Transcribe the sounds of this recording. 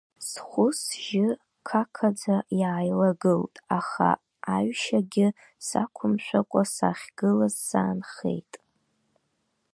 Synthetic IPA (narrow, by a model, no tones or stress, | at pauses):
sχʷʊsʒɪ | kʰakʰad͡zajaːjlaɡɨltʼaχa̰ | aɥʃaɡʲɪ | sa̰kʷʰʊmʃʷᶣakʷʼasaχʲɡ̥ɨlazsaːnχe̞̰jtʼ